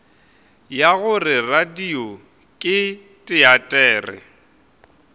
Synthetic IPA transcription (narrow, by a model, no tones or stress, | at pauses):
jaɣʊrɪradiɔ | kʼɪ | tʼɪatʼɛːrɪ̰